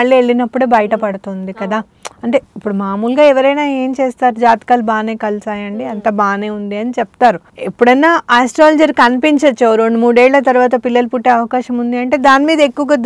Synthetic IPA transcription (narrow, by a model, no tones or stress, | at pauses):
ɐɭːieɭːinɐpːuɽeːbɐjɐʈɐpɐɽut̪und̪ikɐd̪aː | ɐɳʈe̞ːipːuɽumaːmuːlɡaːɛʋɐɾɐjnaːe̞ːmt͡ʃeːst̪aːɾud͡ʒaːt̪kaːlbaːneːkɐlsaːjɐɳɖiɐnt̪ɐbaːne̞ːund̪iɐnit͡ʃɛp̚t̪aːɾu | epːuɽɐnːaːaːsʈɾaːld͡ʒɐɾkɐnipiɲt͡ʃɐt͡ʃːoɾoɳɖmuːɽeːɭːɐt̪̬ɐɾuʋaːt̪̬ɐpilːɐlupuʈːe̞ːɐʋɐkaːʃɐmund̪iɐɳʈe̞ːd̪aːnimiːd̪ɐekːuʋɐɡɐd̪